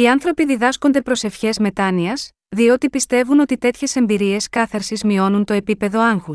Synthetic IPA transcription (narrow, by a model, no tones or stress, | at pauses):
iɐnθɾo̞piðiðɐsko̞nd̪e̞pɾo̞se̞fçe̞zme̞t̪ɐniɐz̥ | ðio̞t̪ipist̪e̞vuno̞t̪it̪e̞t̪çe̞se̞mbiɾie̞skɐθɐɾsizmio̞nunt̪o̞epipe̞ðo̞ɐŋxus